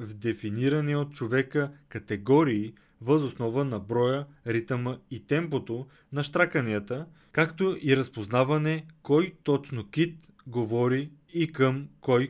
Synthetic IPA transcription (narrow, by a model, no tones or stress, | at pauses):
vd̪ɛfiniɾɐniot̪̚t͡ʃovɛkəkɐt̪ɛɡɔɾiː | vəzosnɔvənɐbɾɔjə | ɾit̪əməit̪ɛmpot̪o | nɐʃt̪ɾakɐniət̪ə | kakt̪oʔiɾɐspoznavɐnɛkɔjt̪ɔt͡ʃnok̟it̪ | ɡovɔɾiː | kəmkɔj